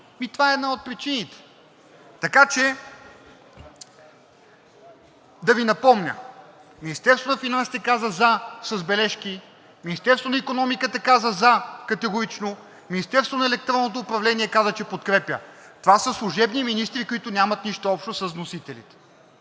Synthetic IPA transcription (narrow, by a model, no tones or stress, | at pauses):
mit̪ovaɛɛd̪naot̪̚pɾit͡ʃinit̪ɛ̥ | t̪ɐkat͡ʃɛ | d̪ɐvinɐpɔmnʲə̰minist̪ɛɾst̪vonɐfinansi̥t̪ɛkazəzɐsəzbɛlɛʃki | minist̪ɛɾst̪vonɐikonɔmikət̪ɐkazəzɐkɐt̪ɛɡʊɾit͡ʃno | minist̪ɛɾst̪vonɐɛlɛk̚t̪ɾɔnːot̪oːpɾɐvlɛniɛkazət͡ʃɛpot̪kɾɛpʲjə̰t̪ovasəslˠuʒɛbniminist̪ɾikʊit̪ʊnʲamɐt̪niʃt̪oɔpʃt̪osəzvnosit̪ɛlʲḭt̪ɛ̥